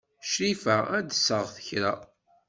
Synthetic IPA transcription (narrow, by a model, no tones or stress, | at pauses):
ʃɾifææd̪əsəʁθə̥çɾa̰